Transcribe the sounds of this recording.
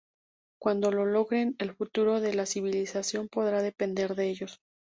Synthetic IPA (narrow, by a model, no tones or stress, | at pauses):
kwand̪o̞lo̞lo̞ɣɾe̞ne̞lfut̪uɾo̞ðe̞lasiβ̞ilisasjo̞mpo̞ðɾaðe̞pe̞nd̪e̞ɾðeeʝo̞s